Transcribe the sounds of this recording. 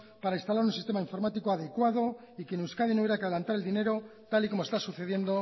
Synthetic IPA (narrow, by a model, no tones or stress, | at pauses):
paɾainst̪alaɾunsist̪e̞maiɱfo̞ɾmat̪ikoaðe̞kwað̞o̞ | ikjenewskaðinoβeɾakaðlant̪aɾeld̪ine̞ɾo̞t̪aliko̞mo̞st̪asuθe̞ðje̞nd̪o̞